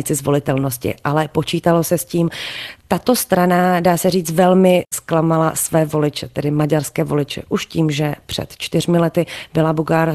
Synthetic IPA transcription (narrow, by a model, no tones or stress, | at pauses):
ɪt͡sɪzvo̞lɪt̪ɛlno̞scɪ̰ʔalɛpo̞t͡ʃiːt̪alo̞sɛsciːmt̪at̪o̞st̪ɾanadaːsɛriːt͡s̪vɛlmɪsklamalasvɛːvo̞lɪt͡ʃɛt̪ɛdɪmaɟaɾskɛːvo̞lɪt͡ʃɛ̰ʔuʃciːmʒɛpr̝̥ɛ̰t̪t͡ʃt̪ɪrmɪlɛt̪ɪbɪlabuɡaːɾ